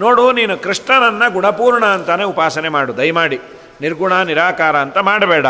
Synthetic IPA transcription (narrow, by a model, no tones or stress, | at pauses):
no̞ːɽuniːnukɾiʂʈɐnɐnːɐɡuɳɐpuːɾɳɐːnt̪ɐneupaːsɐnemaːɽud̪ɐjmaːɽi | niɾɡuɳaniɾaːkaːɾɐːnt̪ɐmaːɽɐbɛːɽɐ